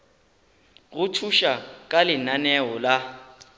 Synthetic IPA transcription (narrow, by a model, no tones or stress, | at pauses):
ɣʊtʰuʃakʼalɪnanɛɔla